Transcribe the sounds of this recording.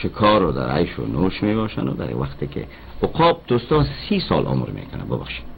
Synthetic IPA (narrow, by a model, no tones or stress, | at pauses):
ʃɪkʰɔɾʊd̪aɾajʃʊnoʃmebɔʃanʊd̪a̰ɾwaqt̪ekɪ̰ | ʊqʰɔːp̚d̪̥ost̪ɔsisɔlʔɔ̰muɾmḛkʊnabəbaχʃi̥